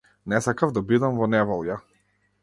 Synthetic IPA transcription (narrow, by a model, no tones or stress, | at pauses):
nɛsakavd̪abid̪amvɔnɛvɔlˠja